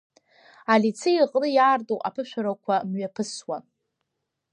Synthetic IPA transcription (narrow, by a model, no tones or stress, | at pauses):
alit͡sʰɨjiqʼnɨjaːrtʼoʔa̰pʰɨʃʷᶣaɾakʷʰamɥapʰɨswa